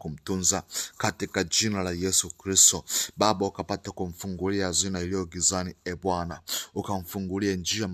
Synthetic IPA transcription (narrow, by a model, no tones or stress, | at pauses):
kum̩tunzakatikad͡ʒinalajɛsukɾistɔɓaɓaukapatakuɱ̩fuŋɡuliazinailijɔɡizaniɛɓwanaukaɱ̩fuŋɡuliand͡ʒiam